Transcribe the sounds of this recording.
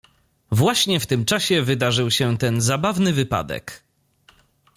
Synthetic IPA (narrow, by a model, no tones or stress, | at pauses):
vwaɕɲɛft̪ɘmt͡ʂaɕɛvɘd̪aʐɘwɕɛt̪ɛnzabavnɘvɘpa̰d̪ɛ̰k